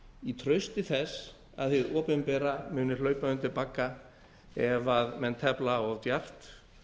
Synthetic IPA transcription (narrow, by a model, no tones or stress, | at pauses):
it̪ʰɾœɥst̪ɪθɛs | a̰ðθɪðɔːpɛmpɛːɾamʏːnɪ̥lœːɥpaʏmt̪ɪlpaːkːa | ɛvaðmɛnt̪ʰɛplaɔɣt̪jar̥t̪